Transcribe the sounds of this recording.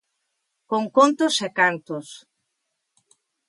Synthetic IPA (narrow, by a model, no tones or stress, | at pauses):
koŋkont̪osekant̪os